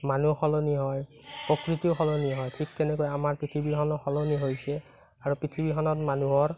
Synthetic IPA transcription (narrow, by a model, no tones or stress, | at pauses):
manuxɔloniɦɔj | pɔkɹit̪ioxɔloniɦɔjtʰik̚tɛnɛkojamaɹpɹitʰibixɔnɔxɔloniɦojsɛ | aɹupɹitʰibixɔnɔtmanuɦɔɹ